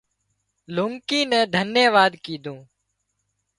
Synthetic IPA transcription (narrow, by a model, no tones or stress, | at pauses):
lʊŋkĩːnɛ̃ːd̪ʱənjeːʋaːd̪kiːd̪ʱũː